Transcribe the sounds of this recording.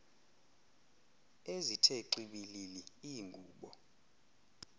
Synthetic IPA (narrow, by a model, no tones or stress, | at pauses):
ezitʰeǃiɓililiiŋɡʱuːɓɔ